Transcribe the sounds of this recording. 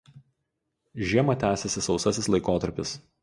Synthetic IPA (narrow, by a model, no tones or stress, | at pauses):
ʒʲiɛmɐt̪ʲæːsʲɛsʲɪsɒʊsɐsʲɪslˠɐɪkoːt̪ɐɾʲpʲɪs